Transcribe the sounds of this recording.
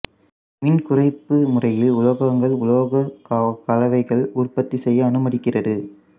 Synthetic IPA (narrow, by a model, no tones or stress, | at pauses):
mɪnkʊrɐɪpːɯmʊrɐjɪlʊlɐɣɐŋɡɐɭʊloːɣɐkkɐlɐʋɐɪɣɐɭʊrpɐt̪ːisɛjːɐːnɯmɐɽɪkːɪrɐðɯ